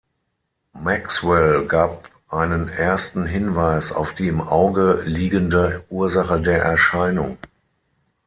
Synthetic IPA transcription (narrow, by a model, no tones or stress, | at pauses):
makswɛlɡaːp | ʔaɪnənʔeɐstn̩ɦɪnvaɪsa̰ʊfd̥iːɪmʔaʊɡəliːɡəndəʔuːɐzaχədeːɐʔɛɐʃaɪnʊŋ